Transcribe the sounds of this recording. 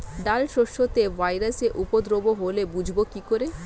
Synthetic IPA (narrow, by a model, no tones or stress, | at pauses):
ɖalʃoʃot̪evʱajɾaseʔupod̪ɾoboɦolebud͡ʑʱbokikoɾe